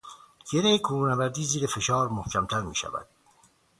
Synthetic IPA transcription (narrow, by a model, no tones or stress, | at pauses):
ɟ̥eɾejekʰuːɾuːnæbæɾd̪iːziːɾefe̞ʃɒːɾmohcʰæmt̪ʰæɾmḭːʃæ̰væ̰d̪̥